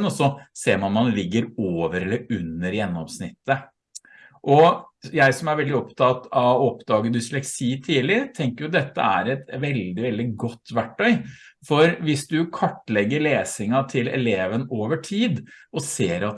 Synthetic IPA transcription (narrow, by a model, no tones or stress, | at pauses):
nɔsɔseːɾmɑnmɑnlɪɡːəɾoːʋəɾɛlːəɾʉnːəɾjɛnːɔmsnɪt̪ːə | ʔɔjæɪsɔmæɾʋɛld̪ɪɔpt̪ʰɑt̪ɑʋɔpd̪ɑːɡəd̪ʏslɛksiːt̪ʰiːlɪt̪ʰɛŋkəɾjʊd̪ɛt̪ːə̰æ̰ɾɛt̪ʋɛld̪ɪʋɛld̪ɪɡɔt̪ːʋæʈːœʏ | fɔɾʋɪsd̪ʉkʰɑʈːlɛɡːəɭeːsɪŋɑt̪ʰɪlɛ̰leːʋənoːʋəʈʰiːd̪ʔɔseːɾɑt̪